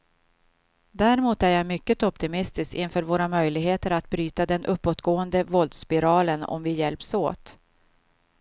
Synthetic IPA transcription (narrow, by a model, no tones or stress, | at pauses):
d̪æɾɪmuːt̪æɾjajmʏkːət̪ɔpt̪ɪmɪst̪ɪskɪnfœːɾvoːɾamœjlɪɡɦeːt̪əɾat̪̚bɾyːt̪ad̪ɛnʔɵpːoːt̪ɡoːənd̪əvɔld̪spɪɾɑːlənɔ̰mvɪjɛlpso̰ːt̪